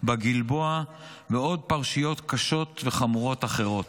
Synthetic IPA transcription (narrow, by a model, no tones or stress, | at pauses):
baɡilbo̞a | veo̞d̪̚paʁʃijo̞t̪kaʃo̞t̪ve̞χamuʁo̞t̪aχe̞ʁo̞t̪